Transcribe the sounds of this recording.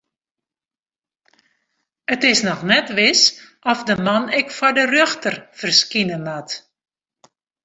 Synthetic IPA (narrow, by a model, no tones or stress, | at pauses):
ətɪsnɔxnɛtʋɪsʔɔfdəmanɪkfɔdərøxtərfərskinənat